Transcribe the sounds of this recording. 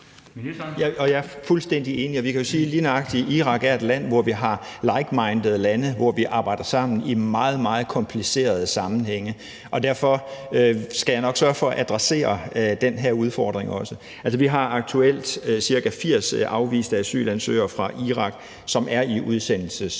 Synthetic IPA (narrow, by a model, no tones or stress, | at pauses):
jæɒ̽jɑ̈ɐfulsd̥en̰d̥ie̝ːniɒ̽ʋikʰæjo̝siːliːnɑ̈ɡ̥d̥iʔiʁɑ̈ɡ̥æɐe̝d̥læn̰ʋɒʋiɦɑ̈ | lɑ̈ɪɡ̥mɑ̈ɪnd̥ð̩ˠlænəʋɒʋiʔɑ̈ːb̥ɑ̈ɪ̰d̥ɐsɑ̈m̰n̩imɑ̈ːð̞̩ˠmɑ̈ːð̞̩ˠkʰɒ̽mpʰlise̝̰ːɐð̞ˠəsɑ̈mn̩heŋ̰ə | ʔɒ̽d̥æɐfɒ̽øsɡ̥æjɑnɒ̽ɡ̥sɶɐfɒ̽æʔæd̥ʁase̝̰ːɐd̥enɦæɐ̰uð̞ˠfɒːd̥ʁeŋɒ̽sə | æls̬əʋiɦɑ̈ɑ̈ɡ̥̚t͡sʰuel̰d̥siɐkæfiɐ̰sʔɑ̈ʊʋḭːsd̥æsy̰ːlænsø̰ːɐfʁɑ̈ʔiʁɑ̈ɡ̥ | sɒ̽mæɐiʔuð̞ˠsen̰l̩səs